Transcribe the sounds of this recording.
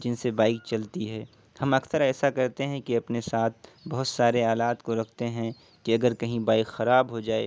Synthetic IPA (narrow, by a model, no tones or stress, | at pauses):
d͡ʒɪnsebaːɪk̚t͡ʃɐlt̪iɦɛː | hɐmɐksəɾɛːsakɐɾt̪eɦɛ̃kiɐpnesaːt̪̚ʰbɐɦʊt̪saːɾeaːlaːt̪koɾɐkʰt̪eɦɛ̃ | kiɐɡəɾkɐɦĩbaːɪkxɐɾaːbɦod͡ʒaːḛː